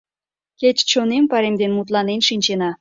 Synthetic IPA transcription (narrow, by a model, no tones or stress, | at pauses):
ket͡ɕt͡ɕonempɑɾemd̪enmut̪̬lɑnenʃinʲt͡ɕenɑ